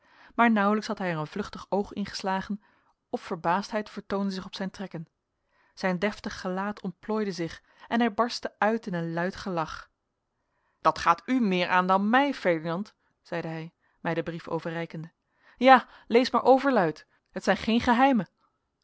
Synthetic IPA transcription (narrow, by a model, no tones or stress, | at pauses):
maːɹnʌwələksɦɑtɦɛjəɹənvlɵχtəχowχɪ̰nχə̥slaːχən | ɔffəɹbaːstɦɛjtfəɹtowndəzɪχɔpsɛjntrɛkən | z̥ɛjndɛftəχːəlaːtʰɔnt̚ploːjdəzɪχ | ɛnɦɛjbɑɹstəʔœɥtɪnənlœɥtχəlɑχ | d̥ɑtχaːtymɪːɹʔaːndɑnmɛjfɛɹdinɑnt | z̥ɛjdəɦɛj | mɛjdəbrifo̰wvərɛjkəndə | jaː | lejsmaːɹʔowvəɹlœɥt | ɦətsɛjnχejnχəɦɛjmə